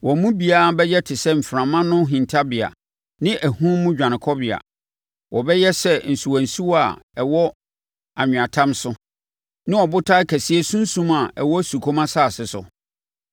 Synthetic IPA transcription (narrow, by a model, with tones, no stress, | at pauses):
wɔ˨˦mũ˦bi˨a˦a˨bɛ˦jɛ˦tʰɪ˨sɛ˦m̩˨fɾã˨mã˦nʊ̃˦ɦĩ˨ntʰa˦bɪ˨a̰˨ | nɪ̃˦ʔæ˨hũ˦mʊ̃˦d͡ʑᶣã˨nɪ̃˨kʰɔ˦bɪ˨a̰˨ | wʔɔ˨bɛ˦jɛ˦sɛ˦n̩˨su˨wæ̃˨n˨su˦wa˨ɛ˨wɔ˦ | a˨ɲᶣʊ̃˨a˨tʰã˦msʊ˦ | nɪ̃˦ɔ˨bʊ˦tʰa˦kʰæ˨si˦e˦sũ˦n̩˦sũ˦ma˨ɛ̰˨wɔ˦su˨kʰo˦mã˦saː˦˨sɪ˨sʊ̰˨